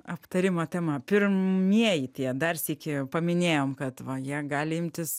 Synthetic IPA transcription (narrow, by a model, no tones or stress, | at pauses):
ɐpt̪ɐɾʲɪmɐt̪ʲɛmɐpʲɪrmʲiɛjɪt̪ʲiɛd̪ɐrsʲiːkʲɪpɐmʲɪnʲeːjoːmkɐt̪ʋɐjiɛɡɑːlʲɪɪmʲt̪ʲɪs